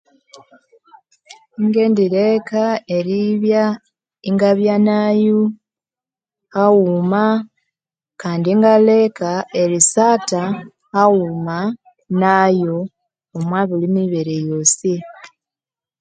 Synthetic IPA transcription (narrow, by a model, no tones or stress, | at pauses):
iŋɡe̞ːndiɾekae̞ɾiβja | iŋɡaβjanaju | hawuma | kaːndiŋɡale̞kae̞ɾisata | awuma | najoː | mwaːβilimiβeɾejo̞ːsi